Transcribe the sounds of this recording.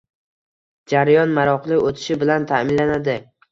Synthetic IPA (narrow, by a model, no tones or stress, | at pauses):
d͡ʒaɾajɒnmaɾɒqlˠɪot̪ʰɪ̥ʃɪbɪlant̪ʰamɪnlːanad̪ɪ